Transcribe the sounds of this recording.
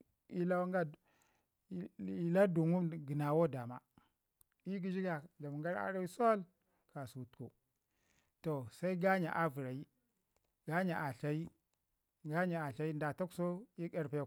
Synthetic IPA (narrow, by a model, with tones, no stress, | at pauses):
i˨la˦wŋɡa˦˨ | i˨la˦du˨ŋu˦mɡi˨na˨wo˦da˨ma˦ | i˦ɡi˦d͡ʒi˦ɡa˨d͡ʒa˨m˨ŋɡa˦ɾa̰˦ɾa˦wi˦so˦l | ka˨su˨tko˨ | to˨sa˦i˦ɡa˦ɲa̰˨ʔa˦vu˨ɾa˨i˦ | ɡ̥a˦ɲa˨ʔa˨ɬa˨ji˦ | ɡa˦ɲa˨a˨ɬa˦i˦nda˨ta˦kso˦i˦ka˦ɾpa˦j